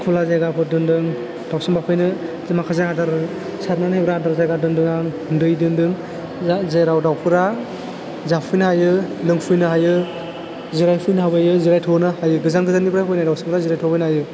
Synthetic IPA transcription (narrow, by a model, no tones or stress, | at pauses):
kʰulazajɡapʰɯdɯndɯŋ | d̥awsɯŋbapʰɯjnɯ | zimakʰazaɦadaɾɯ | saɾnanbɾadɯɾzajɡadɯŋdɯŋaŋ | ndɯjdɯŋdɯŋ | zeɾawdawpʰɯɾa | zapʰɯjnɯɦajɯlɯŋpʰɯjnɯɦajɯ | ziɾajpʰɯjnɯɦabajɯziɾajtʰɔnɯhajɯɡɯzanɡɯzanibɾapʰajnajdawsɯmbɯɾaziɾajtʰɔbɯjnɦajɯ